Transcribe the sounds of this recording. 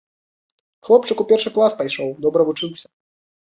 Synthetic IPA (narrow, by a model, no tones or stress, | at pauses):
xlˠɔp̚t͡ʂɨkupʲɛrʂɨklˠaspajʂɔwd̪ɔbɾɐvut͡ʂɨwsʲɐ̥